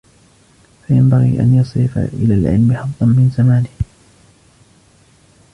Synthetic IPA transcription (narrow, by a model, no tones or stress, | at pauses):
fajambaɣḭːʔa̰njɑsˤiːfa̰ʔɪ̰laːlʕɪ̰lmɪħɑd̪ˤɑnmɪnzamaːnɪh